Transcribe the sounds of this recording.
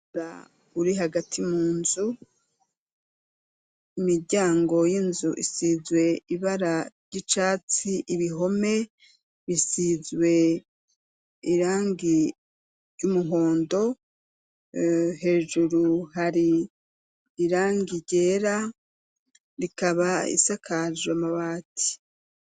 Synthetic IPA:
a | uɾiɦaɡatʰimuːnzu | imiɾɟaːŋɡo̞jinzuʔḭsizwe̞iβaɾa | ɟit͡ʃaːt͡siʔiβiɦo̞me̞ | βisizwe̞ | iɾaːŋɡi | ɾɟumuɦo̞ːndo̞ | he̞ːʒuɾuhaɾi | ɾaːŋɡiɾɟeːɾa | ɾikaβaḭsakʰaʒwamaβaːtʰi̥

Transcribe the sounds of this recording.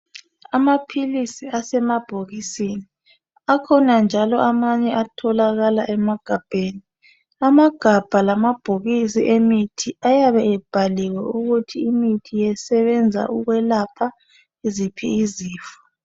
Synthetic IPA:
amapʰilisiasɛmab̥ʱoɣisini | akʰɔnand͡ʒʱalɔʔamaɲɛʔatʰɔlaɣalaʔɛmaɡ̥ʱab̥ʱeːni | amaɡ̥ʱab̥ʱalamab̥ʱoɣisiʔemitʰiʔajaβɛɛb̥ʱalɛwɛuɣutʰiːmitʰijɛsɛβɛnd͡zʱa̰ʔuɣwɛlapʰa | izipʰḭiziːfḁ

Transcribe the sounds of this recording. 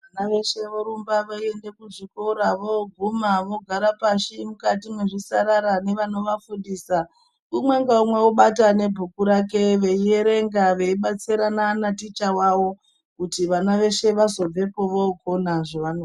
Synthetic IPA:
ʋanaʋe̞ʃe̞ʋoɾumbaʋaie̞nde̞kuʐikoɾaʋoɡʱumaʋo̞ɡʱaɾapaʃimukatimweʐisaɾaɾane̞ʋano̞ʋafundiːsa | umwe̞ŋɡaumwe̞uɓatane̞bʱukuɾake̞ʋeie̞ɾe̞ŋɡaʋe̞iɓat͡siɾanaːnatit͡ʃawaʋo̞ | kutiʋanaʋe̞ʃe̞ʋazo̞b͡ve̞po̞ʋoɡʱo̞naʐoʋano

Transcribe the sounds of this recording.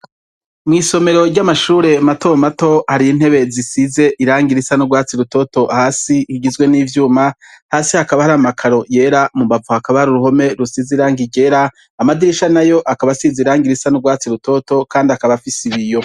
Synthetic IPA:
mŋiːso̞me̞ɾo̞ɾɟamaʃuːɾe̞mato̞mato̞haɾiin̥he̞βe̞zisize̞ʔiɾaːŋɡiɾisanuɡwaːt͡siɾuto̞to̞haːsihiɟizɡwe̞niːvjuːma | haːsihakaβahaɾamakʰaɾo̞je̞ːɾamumbavuhakaβahaɾuɾuɦo̞me̞ɾusiziɾaːŋɡiɟe̞ɾaː | madiɾiʃanajo̞ʔakaβasizeiɾaːŋɡiɾisanuɡwaːt͡siɾuto̞to̞kaːndiakaβafisiβijo̞

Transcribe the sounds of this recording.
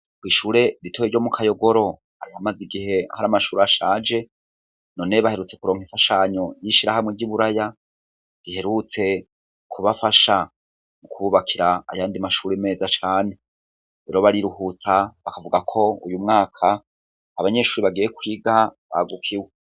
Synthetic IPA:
kwiːʃuːɾe̞ɾitʰojeɾɟo̞mukʰajo̞ɡo̞ɾo̞ | a̰ɾihamaziɡihe̞haɾamaʃuːɾeaʃaːd͡ʒe̞ | no̞neβahe̞ɾut͡se̞kuɾo̞ːŋhiɱfaʃaɲo̞jiʃiɾahamŋeɾɟiβuɾaja | ɾihe̞ɾut͡se̞ | kʰuβafaʃa | mukʰuβuβakʰiɾa̰ːjaːndimaʃuːɾeme̞ːzat͡ʃaːne̞ | ɾeɾo̞βaɾiɾuhut͡saβakavuɡakʰo̞ṵjumŋaːkʰaː | βaɲe̞ʃuːɾiβaɡijekwiːɡaβa̰ɡukʰiwe

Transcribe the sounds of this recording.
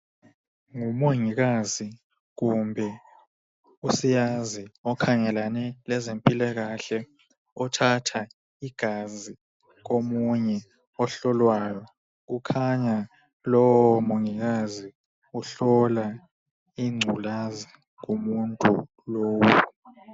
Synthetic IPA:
ŋumoŋiɣ̬azi | ɣumbʱɛ | usijaziɔkʰaŋɛlanɛlɛzempʼilɛɣaɬɛ | ɔtʰatʰa | iɡ̥ʱazi | ɣ̬omuɲɛ | ɔɬɔlwajɔ | k̬ukʰaɲa | lɔwwɔmoŋiɣ̬azi | uɬɔla | iŋ͡ǀʱulazi | k̬umuntʼṵ | loːwu

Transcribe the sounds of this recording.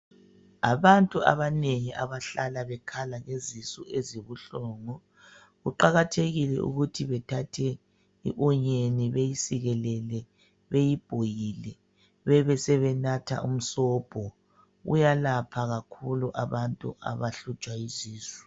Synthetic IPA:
aβantʼua̰βaneŋiʔaβaɬalaβɛkʰalaŋezisueziβuɬɔːŋɔ | ɣuǃaɣatʰeɣilɛ̰ʔṵɣutʰiβɛtʰatʰɛ | ḭʔɔɲeniβejisiɣɛlɛlɛ | βejib̥ʱojilɛ | βɛβɛsɛβɛnatʰa̰ʔṵm̩sɔːb̥ʱɔ | ɣṵjalapʰaɣakʰuluʔaβantʼṵʔa̰βaɬut͡ʃʼwaiziːsi̥

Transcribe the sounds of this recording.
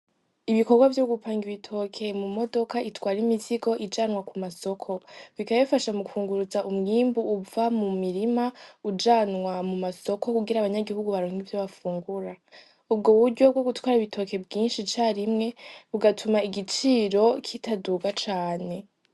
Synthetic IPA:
iβiko̞ɾɡwavjo̞ɡupaːŋɡiβitʰo̞kʰe̞mumo̞do̞kaʔitwaːɾimiziɡo̞ʔid͡ʒaːnŋwakumaso̞kʰo̞βikaβaifaʃamuufuːŋɡuɾuzaʔumŋiːmbuʔːvamumiɾimaud͡ʒaːnŋwamumaso̞ko̞kuɡiɾaːβaɲaɡihuɡuβaɾoːŋɡivjoβafuːŋɡuɾa | ub̚ɡoβuɾɟo̞b̚ɡo̞ɡutwaːɾaiβitʰo̞ke̞bɡiːnʃit͡ʃaːɾimŋe̞βuɡatʰumaiɡit͡ʃiːɾo̞kʰitaduːɡat͡ʃaːne̞

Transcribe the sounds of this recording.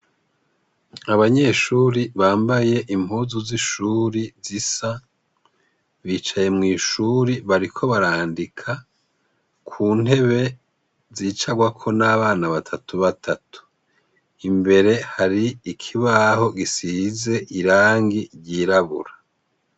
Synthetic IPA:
aβaɲe̞ʃuːɾiβaːmbaje̞ʔim̥huːzuziʃuːɾizisa | βit͡ʃaje̞mŋiːʃuɾiβaɾikʰo̞βaɾaːndikʰa | kʰuːn̥e̞βe̞ | ziːt͡ʃaɡwakʰo̞naːβaːnaβatʰatuβatʰatu̥ | imbe̞ɾe̞haɾiikʰiβaːɦo̞ɡisize̞ʔiɾaːŋɡiɾɟiːɾaβṵɾa

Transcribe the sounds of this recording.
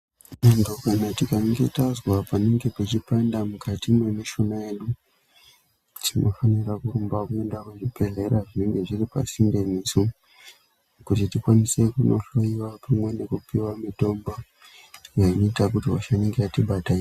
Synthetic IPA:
nandokanatikaŋɡe̞tazwapane̞ŋɡe̞pet͡ʃipandamukatino̞neʃo̞naje̞ɗu | tʰino̞fanirakurumbakuendakwuʐipe̞ɮe̞ɾaʐineŋɡe̞ʐiripa̰sindenisu | kutitikwanise̞kuno̞ɬo̞iwapʰamwe̞ne̞kupiwamito̞mba | jainoitakutiwa̰ʃaneŋɡeatiɓatai

